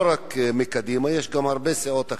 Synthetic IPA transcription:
ɾakmikad̪imajeʃɡamhaɾbeseot̪a

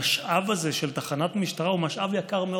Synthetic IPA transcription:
ʃʔavazeʃelt̪aχanat̪miʃt̪aʁaumaʃʔavjakaʁme

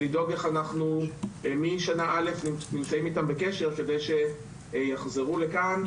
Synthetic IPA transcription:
lido̞ɡe̞χanaχnumiʃanaʔale̞fnimnimt͡saimitambeke̞ʃe̞ʁke̞de̞jʃe̞ | jaχze̞ʁule̞kan

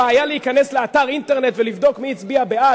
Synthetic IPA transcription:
aːjaleikanesleataʁint̪eʁnet̪velivd̪o̞kmiit͡sbiabea

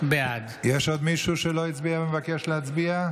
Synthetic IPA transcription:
bead̪ | jeʃod̪miʃuʃeloit͡sbiabemvakeʃleat͡sbia

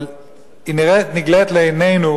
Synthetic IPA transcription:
iniʁɛniɡlɛt̪lejnejnu

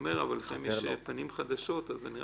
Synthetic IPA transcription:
meʁa̰valːaχeimjeʃpanimχad̪aʃo̞t̪azeniʁ

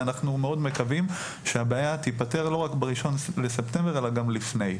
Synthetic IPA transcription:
anaχnumeo̞dme̞kavim | ʃeabeajat̪ipate̞ʁlo̞ʁakbeʁiʃo̞nlesepte̞mbe̞ʁelaɡamlifne̞j

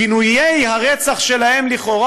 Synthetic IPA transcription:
inujejɦaʁet͡saχʃe̞lahe̞mliχo̞ʁa

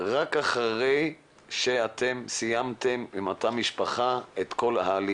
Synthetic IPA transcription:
ʁakaχaʁej | ʃe̞at̪ʰemsijamt̪e̞mimot̪amiʃpaχaet̪ko̞lhaːli

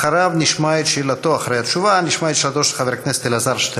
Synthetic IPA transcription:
χaɾabnʲiʃmaet̪ʃilat̪oaχɾejat̪ʃuvaniʃmajet̪ʃilat̪oʃlxaveɾknest̪elazaɾʃt̪e

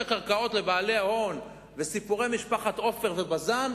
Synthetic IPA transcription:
kaʁkao̞t̪le̞baːle̞aho̞n | vesipuʁe̞jmiʃpaχat̪o̞fe̞ʁve̞bazan

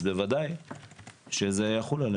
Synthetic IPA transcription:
bevad̪aj | ʃezejaχulan

